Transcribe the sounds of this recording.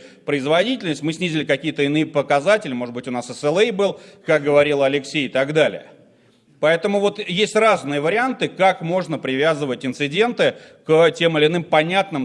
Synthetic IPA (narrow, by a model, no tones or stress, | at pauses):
pɾəɪzvɐdʲitʲɪlʲnəsʲtʲmɨsʲnʲizʲɪlʲɪkɐkʲijət̪əɪnɨjəpəkɐzatʲɪlʲɪmo̞ʐɨd̪bɨtʲʊnasəsɛlˠɛjbɨlˠkak̚ɡəvɐɾʲilˠɐlʲɪksʲejɪt̪aɡd̪alʲɪ̰jə | pɐɛt̪əmʊvo̞t̪jesʲtʲraznɨjəvəɾʲɪant̪ɨkakmo̞ʐnəpɾʲɪvʲazɨvətʲɪnt̪sɨdʲe̞nt̪ɨ | ktʲe̞mɨlʲɪːnɨmpɐnʲat̪nɨm